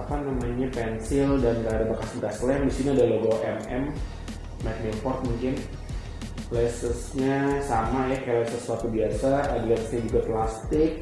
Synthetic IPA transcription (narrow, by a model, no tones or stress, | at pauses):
apanamaɲapɛnsɪldanɡaadabakaskaslɛmbisinaadaloɡoʔɛmɛ̰m | mak̪nipɔrt̪̚muŋkɪn | lɛsəsɲasamajakajalɛsəswat̪ubiasa̰ːdalɛsə̥sɲad͡ʒuɡap̪last̪ɪk̚